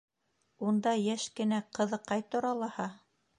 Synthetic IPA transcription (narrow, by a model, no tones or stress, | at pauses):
und̪ɑjæʃkɘ̆næqɤ̆ðɤ̆qːɑjt̪ŏɾɑlˠɑhɑ